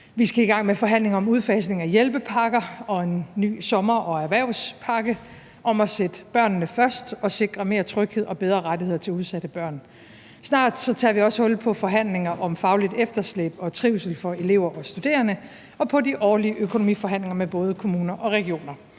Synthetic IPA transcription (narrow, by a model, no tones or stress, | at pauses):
ʋisɡ̥æiɡ̥ɑ̈ŋ̰mefɒ̽ɦæn̰le̝ŋɐɒ̽muð̞ˠfɛ̰sne̝ŋæjelb̥əpʰɑ̈ɡ̥ɐɒ̽e̝nːy̰ːsɒ̽mɐʔɒ̽æɐʋæɐʊspʰɑ̈ːɡ̥ə | ʔɒ̽mɒ̽sed̥əb̥ɶɐ̰nːəfɶɐsd̥ɒ̽se̝ɡ̥ʁɐme̝ɐt͡sʰʁœɡ̥he̝ð̞̰ˠɒ̽b̥eð̞ˠʁɐʁadihe̝̰ɐt͡sʰe̝luð̞ˠsæd̥əb̥ɶɐ̰n | snɑ̰̈ːd̥sɒ̽t͡sʰɑ̰̈ːʋiɒ̽shɔ̽lpʰɒ̽fɒ̽ɦæn̰le̝ŋɐʔɒ̽mfɑ̈ʊlid̥efd̥ɐslḛb̥ɒ̽t͡sʰʁiʊsl̩fɒ̽e̝le̝ʊ̰ɐʔɒ̽sd̥ud̥e̝̰ːɐnə | ɒ̽pʰɒ̽diʔɒːliəʔøkʰo̝nomḭːfɒ̽ɦæn̰le̝ŋɐmeb̥ɔ̽ːð̞ˠəkʰo̝muːnɐʔɒ̽ʁɛɡ̥io̝̰ːnɐ